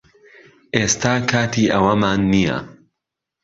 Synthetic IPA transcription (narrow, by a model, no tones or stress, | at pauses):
ʔeːst̪ʰaːkʰaːt̪ʰiːʔɐwɐmaːnːijɐ̰